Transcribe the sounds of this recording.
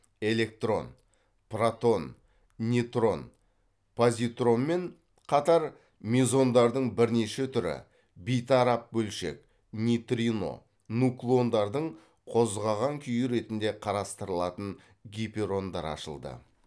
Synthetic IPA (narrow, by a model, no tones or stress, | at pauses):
e̞le̞k̚t̪ro̞̰n | prat̪o̞n | nʲit̪ro̞n | pʰozʲit̪ro̞nme̞n | qʰɑt̪ɑɾ | mʲizo̞nd̪ɑɾd̪əɴbɪɾne̞ʃe̞t̪ʰʏɾɪ̰ | bijt̪ɑɾɑp̚bɵlʃḛk | nʲit̪rʲino̞̰ | nuklˠo̞nd̪ɑɾd̪əɴ | qʰo̞zʁɑʁɑŋkʲʰʏjɪɾe̞t̪ɪnd̪e̞qʰɑɾɑst̪əɾəlˠɑt̪əɴ | ɡʲipʲeɾo̞nd̪ɑ̰ɾɑ̰ʃə̰lˠd̪ə̰